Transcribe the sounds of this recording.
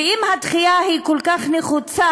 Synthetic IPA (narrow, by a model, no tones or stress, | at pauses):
imhat̪χijahikolkaχneχut͡sa